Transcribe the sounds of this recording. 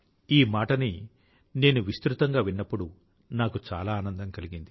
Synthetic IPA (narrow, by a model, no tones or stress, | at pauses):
iːmaːʈɐni | ne̞ːnuʋist̪ɾut̪ɐŋɡaːʋinːɐpːuɽu | naːkut͡ʃa̰ːlaːaːnɐnd̪ɐmkɐliɡind̪i